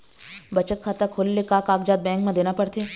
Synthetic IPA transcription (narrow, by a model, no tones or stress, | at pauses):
bɐt͡ʃət̪̚kʰat̪ɐkʰolːekaːkaːkd͡ʒaːd̪̚bɛ̃ːŋkmẽd̪eːnapɐɽt̪eː